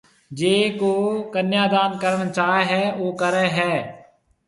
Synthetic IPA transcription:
d͡ʒeːkoːkənjaːd̪aːnkəɾnt͡ʃaːeɦɛːoːkəɾeːɦɛː

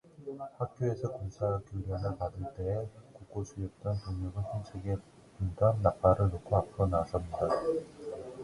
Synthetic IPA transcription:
hak̚k͈joe̞sʰʌkonsʰakjoɾjʌnɯɭpadɯɭt͈e̞ːkuk͈osʰujʌp̚t͈ʌnpuŋɲuɡɯnsʰʌnt͡ɕʰeɡe | pundanːap͈aɾɯɭnokʰoapʰɯɾonas͈ʰʌmɲida

